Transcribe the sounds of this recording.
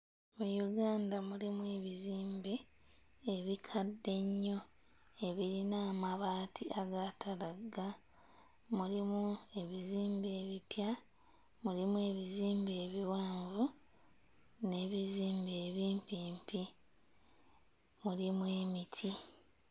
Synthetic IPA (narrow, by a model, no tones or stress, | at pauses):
mujuɡaːndamulimwe̞βiziːmbeː | βikʰadːe̞ɲːo̞ | e̞βiɾinaːmaβaːtʰiʔaɡatʰalaɡa | mulimue̞βiziːmbe̞ːβipja | mulimue̞βiziːmbe̞ːβiwaːɱvu | ne̞βiziːmbeːβiːmpiːmpi | mulimwe̞ːmitʰi